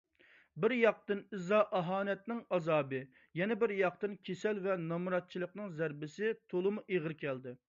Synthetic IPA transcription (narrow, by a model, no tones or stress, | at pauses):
bɪɾjɑq̚t̪ɨnɨzɑʔɑɦɑːnɛt̪̚nɪŋɑzɑːbɨ | jɛnɛbɪɾjɑq̚t̪ɨnkʲʰesɛlvɛnɑmuɾɑt̪̚t͡ʃʰilˠəqnɨŋzæɾbɪsɪt̪ʰolˠɨmuʔeʁəɾkʲʰɛld̪ɪ